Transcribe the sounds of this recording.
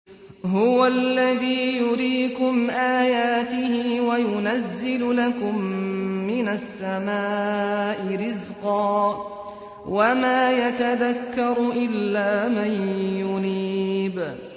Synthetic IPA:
ɦʊwalːaðiːjʊɾiːkʊmʔaːjaːt̪ɪhɪːwajʊnazːɪllakʊmːɪnasːamaːʔɪɾɪzqɑː | wamaːjat̪aðakːɑɾˤʊʔɪlːaːmanjʊniːb

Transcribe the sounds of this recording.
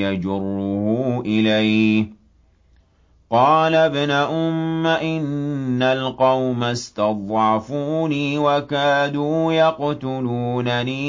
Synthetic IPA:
jad͡ʒʊrˤːʊhʊʔɪlaj | qɑːlabnaʔʊmːaʔɪnːalqɑwmast̪ɑd̪ˤʕɑfuːniːwakaːd̪uːjɑqt̪ʊluːnaniː

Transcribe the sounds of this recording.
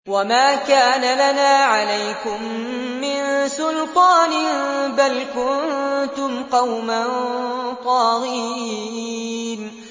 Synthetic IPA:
wamaːkaːnalanaːʕalajkʊmː | ɪnsʊlt̪ˤɑːnɪbalkʊnt̪ʊmqɑwmant̪ˤɑːɣiː | n

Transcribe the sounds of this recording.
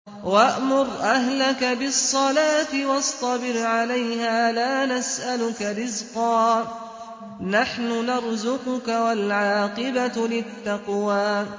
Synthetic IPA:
waʔmʊɾˤʔaɦlakabɪsˤːɑlaːt̪ɪwɑst̪ˤɑbɪɾʕalajɦaːlaːnasʔalʊkaɾɪzqɑː | naħnʊnɑɾˤzʊqʊkawalʕɑːqɨbalɪt̪ːɑqwaː

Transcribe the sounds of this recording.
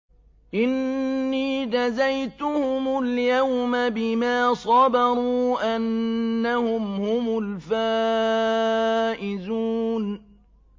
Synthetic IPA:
ʔɪnːiːd͡ʒazajt̪ʊhʊmʊljawmabɪmaːsˤɑbɑɾˤuːʔanːahʊmhʊmʊlfaː | ʔɪzuːn

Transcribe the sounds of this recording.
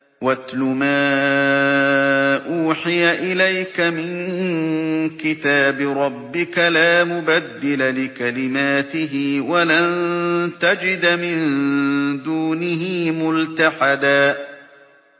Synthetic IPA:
wat̪lʊmaː | ʔuːħɪjaʔɪlajkamɪŋ | kɪt̪aːbɪɾˤɑbːɪkalaːmʊbad̪ːɪlalɪkalɪmaːt̪ɪɦɪwalant̪ad͡ʒɪd̪mɪn | d̪uːnɪɦɪːmʊlt̪aħad̪aː

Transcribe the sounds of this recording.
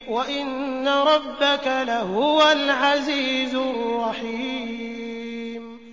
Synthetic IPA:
waʔɪnːaɾˤɑbːakalahʊwalʕaziːzʊrˤːɑħi | m

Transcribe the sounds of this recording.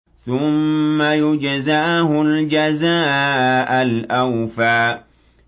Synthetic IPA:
θʊmːajʊd͡ʒazaɦʊld͡ʒazaːʔalʔawfaː

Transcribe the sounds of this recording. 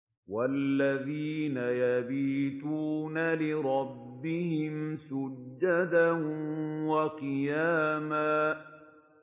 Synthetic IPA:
walːaðiːnajabiːt̪uːnalɪɾˤɑbːɪhɪmsʊd͡ʒːad̪aʊwaqɨjaːmaː

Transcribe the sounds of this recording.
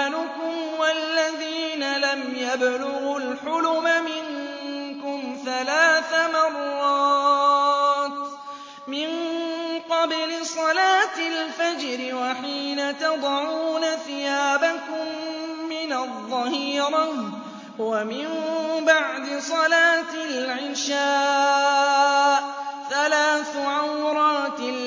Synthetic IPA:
lʊkʊmwalːaðiːnalamjablʊɣʊlħʊlʊmamɪŋkʊmθalaːθamɑrˤːɑːt̪ | mɪnqɑblɪsˤɑlaːt̪ɪlfad͡ʒɾɪwaħiːnat̪ɑd̪ˤɑʕuːnaθɪjaːbakʊmːɪnɑðˤːɑhiːɾɑ | wamɪnbaʕd̪ɪsˤɑlaːt̪ɪlʕɪʃaː | ʔθalaːθʊʕawɾˤɑːt̪

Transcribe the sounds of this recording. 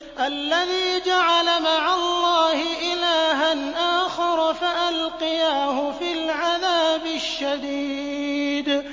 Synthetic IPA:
ʔalːaðiːd͡ʒaʕalamaʕalˤːɑːhɪʔɪlaːɦanʔaːxɑɾˤfaʔalqɪjaːhʊfilʕaðaːbɪʃːad̪iːd̪

